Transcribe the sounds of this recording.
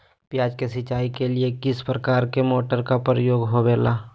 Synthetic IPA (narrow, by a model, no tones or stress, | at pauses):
pjaːd͡ʒkesɪt͡ʃaːikeliekɪspɾəkaːɾkemoːʈəɾkapəɾəjoːɡɦobeːlaː